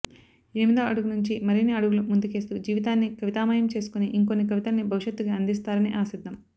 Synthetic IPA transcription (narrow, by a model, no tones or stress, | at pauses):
inimid̪oːɐɽuɡunuɲt͡ʃimɐɾiniɐɽuɡulumund̪uke̞ːst̪uːd͡ʒiːʋit̪aːnːikɐʋit̪aːmaːjɐmt͡ʃe̞ːsu̥kuniʔiŋkonːik̬ɐʋit̪anːibʱɐʋuʂjɐt̪ːuɡaɐnd̪is̬t̪aːɾɐniʔaːsid̪ʱːɐm